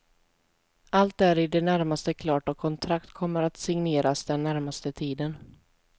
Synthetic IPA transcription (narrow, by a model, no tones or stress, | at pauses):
ʔalt̪æɾɪd̪ɛnæɾmast̪əkʰlɑːʈɔkʰɔnt̪ʰɾakt̪kʰɔmːəɾat̪sɪŋneːɾasd̪ɛnːæɾmast̪ət̪ʰiːd̪ən